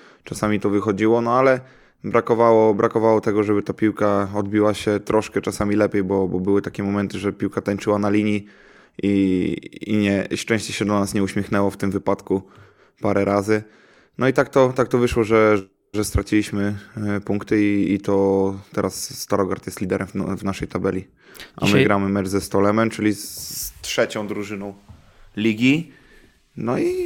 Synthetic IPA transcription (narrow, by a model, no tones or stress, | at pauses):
t͡ʂasamʲit̪ɔvɘxɔd͡ʑiwɔnɔalɛ | bɾakɔvawɔbɾʔakɔvawɔt̪ɛɡɔʐɛbɘt̪apʲiwkaɔd̪bʲiwaɕɛt̪ɾʔɔʂkɛt͡ʂasamʲilɛpʲjejbɔbɔbɘwɘt̪akʲɛmɔmɛnt̪ɘʐɛpʲiwkat̪aɲt͡ʂɘwanalʲiɲi | i | ḭɲɛʂt͡ʂɛ̃w̃ɕt͡ɕɛɕɛd̪ɔnasɲɛuɕmʲjɛxnɛwɔft̪ɘmvɘpat̪ku | paɾɛɾʔazɘ | nɔit̪ak̚t̪ɔt̪ak̚t̪ɔvɘʂwɔʐɛ | ʐɛst̪ɾat͡ɕilʲiɕmɘpuŋkt̪ɘiːt̪ɔt̪ɛɾʔasːt̪aɾɔɡaɾt̪jɛst̪lʲid̪ɛɾʔɛmvnaʂɛjt̪abɛlʲi | ʔa̰mɘɡɾamɘmɛt͡ʂzɛst̪ɔlɛmɛmt͡ʂɘlʲit̪ʂɛt͡ɕɔ̃w̃d̪ɾuʐɘnɔ̃w̃ | lʲiɡʲi | nɔi